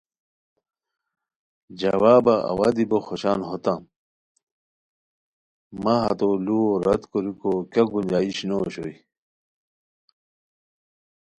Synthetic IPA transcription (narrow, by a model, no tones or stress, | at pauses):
d͡ʑɐwaːbaʔa̰waːd̪iboxoɕaːnɦot̪a | maɦɐt̪oluoɾɐt̪koɾikokɐk̚bumd͡ʑaːiɕnoːɕo̰i